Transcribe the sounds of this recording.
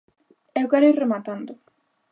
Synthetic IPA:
ɛwkaɾejremat̪and̪ʊ

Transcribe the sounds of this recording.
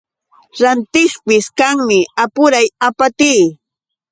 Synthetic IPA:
ɾant̪ɪχpɪskaŋmɪapʊɾajapat̪iː

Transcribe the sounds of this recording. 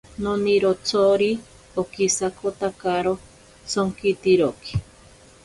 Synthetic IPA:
noniɾot͡sʰoɾi | okisakot̪akaɾo | soŋkit̪iɾoki̥

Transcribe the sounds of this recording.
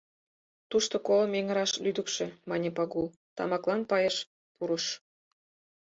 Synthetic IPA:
t̪uʃt̪okolmeŋə̆ɾɑʃlyd̪əkʃĕmɑnʲepɑɣul | t̪ɑ̰mɑklɑnpɑjeʃ | puɾəʃ

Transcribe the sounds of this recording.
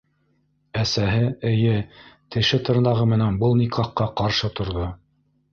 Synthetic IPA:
æsæɦɘɘ̆jɘt̪ɘ̆ʃɘt̪ɤ̆ɾnɑʁɤmɘ̆nænbɤlˠnikɑqːɑqɑɾʃɤt̪ŏɾðo

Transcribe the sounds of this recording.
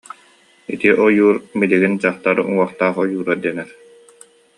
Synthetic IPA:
it̪iʔɔjuːɾmiliɡind͡ʑaχt̪aɾṵŋuɔχt̪aːχɔjuːɾad̪iɛnɛɾ

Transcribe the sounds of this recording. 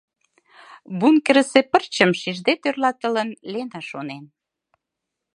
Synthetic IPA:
βunkəɾəsepərt͡ɕə̆mʃiʒd̪et̪ørlɑt̪ə̆lənlenɑʃonen

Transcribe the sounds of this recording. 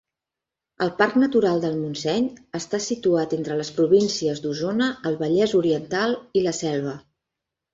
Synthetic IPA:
əlˠpaɾknət̪uɾalˠd̪əlˠmunsɛɲəst̪asit̪uat̪ent̪ɾələspɾuβinsiəzd̪uzonəːlˠβəʎɛzuɾiənt̪alˠiləsɛlˠβ̞ə

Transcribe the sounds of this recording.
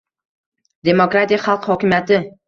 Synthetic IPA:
d̪emokɾat̪ijχɑlˠqhɒkʲɪmjat̪ɪ

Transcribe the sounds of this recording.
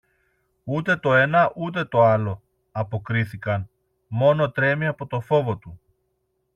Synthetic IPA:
ut̪e̞t̪o̞e̞nɐʔut̪̬e̞t̪o̞ɐlo̞ | ɐpo̞kɾiθikɐn | mo̞no̞t̪ɾe̞miɐpo̞t̪o̞fo̞vo̞t̪u

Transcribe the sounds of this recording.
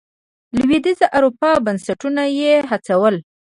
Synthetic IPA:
lwid̪izaʔaɾupɑbansaʈunajeɦat͡sawəl

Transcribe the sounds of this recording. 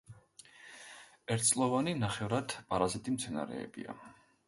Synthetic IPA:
ɛɾt̪̚ʰtsʼlˠɔvaninaχɛvɾad̪̥pʼaɾazit̪ʼimt̪sʰɛna̰ɾɛ̰ːbḭa̰

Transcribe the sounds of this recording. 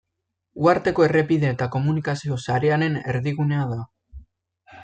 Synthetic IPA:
uaɾt̪e̞ko̞e̞re̞piðe̞ːt̪ako̞munikasio̞saɾe̞ane̞ne̞ɾðiɣ̞une̞aða

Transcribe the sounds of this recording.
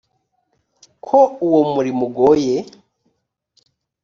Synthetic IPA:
kʰouwomuɾimuɡoje

